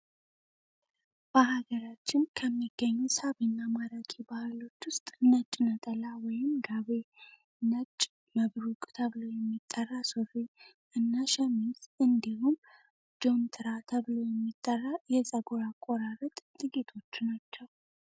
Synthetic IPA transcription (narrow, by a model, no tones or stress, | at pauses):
b̥əɦaɡəɾat͡ʃːɪnkʰəmːiɡ̥ːəɲːusaβinːamaɾakʰibahɨlo̞t͡ʃːwʊst̪ʼnət͡ʃʼnət̪ʼəlawɔjɪmɡaβe | nət͡ʃʼ | məβɾukʼt̪ʰəβlo̞jɛmːit̪ʼːərːasofe | ʔɨnːaʃɛmizɨnd̪ihum | d͡ʒo̞mt̪ʰɨɾat̪ʰəβlo̞jɛmːit̪ʼːərːajɛsʼəɡoɾakʼoɾarət̪ʼt̪ʼɨɡit̪ʰo̞t͡ʃːnat͡ʃːɛw